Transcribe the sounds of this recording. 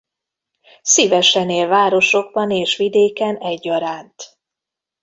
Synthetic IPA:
sivɛʃɛneːlvaːɾo̞ʃo̞ɡ̚bɒneːʃʋid̪eːkɛnɛɟːɒɾaːnt̪

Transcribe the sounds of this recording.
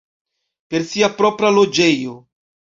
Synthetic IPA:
pe̞ɾsiapɾopɾalo̞d͡ʒe̞jo̞

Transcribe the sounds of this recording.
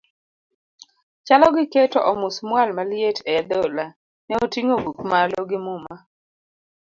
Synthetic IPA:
t͡ʃalɔɡɪketɔʔɔmʊsmwalmaljetʰɛjad̪ɔla | nɛotiŋobukmalɔɡɪmʊma

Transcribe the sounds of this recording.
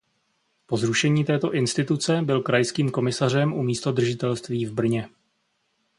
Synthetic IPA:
po̞zɾuʃɛɲiːt̪ɛːt̪o̞ʔɪnst̪ɪt̪ut͡sɛbɪlkɾajskiːmko̞mɪsar̝ɛmʔumiːst̪o̞d̪r̩ʒɪt̪ɛlst̪viːvbr̩ɲɛ

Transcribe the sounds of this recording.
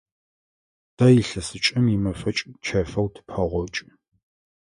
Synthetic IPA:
d̥ɐjiɬɐsɨt͡ʃʼɪmimɐfɐt͡ʃʼt͡ʃʰɐfɐwtʰɨpʰɐʁʷɔt͡ʃʼ

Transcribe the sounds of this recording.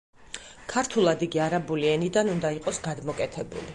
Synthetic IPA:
kʰaɾt̪ʰulˠad̪iɡiaɾabuliɛnid̪anund̪aiqʼɔsɡad̪mɔkʼɛt̪ʰɛbṵli

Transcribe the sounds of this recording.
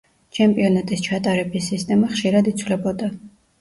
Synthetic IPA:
t͡ʃʰɛmpʼiɔnat̪ʼist͡ʃʰat̪ʼaɾɛbisːist̪ʼɛmaχʃiɾad̪it̪sʰvlɛbɔd̪a

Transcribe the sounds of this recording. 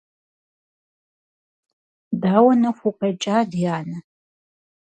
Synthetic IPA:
daːwɐnɐxʷuqɐt͡ʃʼaːdjaːnɐ

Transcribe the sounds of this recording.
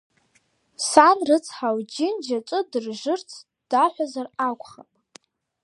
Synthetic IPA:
sanrɨt͡sʰħawd͡ʒɪnd͡ʒat͡ʃʷʼɨdɨrʒɨrt͡sʰ | d̥aħʷazarakʷʰʼχapʼ

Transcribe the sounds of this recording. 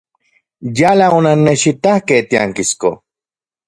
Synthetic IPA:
jalaonanːeʃit̪ahkeht̪iaŋkisko̰

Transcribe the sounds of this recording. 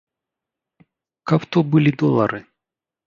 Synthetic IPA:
kaft̪obɨlʲɪd̪olˠɐɾɨ

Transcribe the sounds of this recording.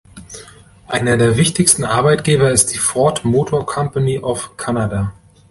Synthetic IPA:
ʔaɪnɐdeːɐvɪçtɪçstn̩ʔaɐbaɪtɡ̥eːbɐɪst̚d̥iːfɔɐtmoːtʰoːɐkʰɔmpaniʔaʊfkʰanada

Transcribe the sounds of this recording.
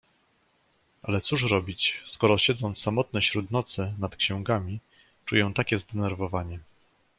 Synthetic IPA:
ʔa̰lɛt̪suʂɾɔbʲit͡ɕskɔɾɔɕɛd̪zɔnt̪ssamɔt̪̚nɛɕɾud̪nɔt̪sɛnat̪kɕɛ̃w̃ɡamʲi | t͡ʂṵjɛ̃t̪akʲɛzd̪ɛnɛɾvɔvaɲɛ

